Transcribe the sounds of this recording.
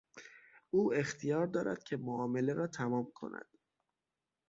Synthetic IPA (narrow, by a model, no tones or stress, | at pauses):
uːe̞xt̪ʰijɒːɾd̪ɒːɾæ̰d̪̥cʰe̞moɒːme̞leɾɒːt̪ʰæmɒːmkʰo̞̰nʔæ̰d̪̥